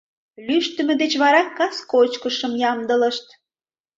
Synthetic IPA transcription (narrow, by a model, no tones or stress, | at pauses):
lyʃt̪ə̆mə̆d̪et͡ɕβɑɾɑkɑskot͡ɕkəʃəmjɑmd̪ələ̆ʃt̪̚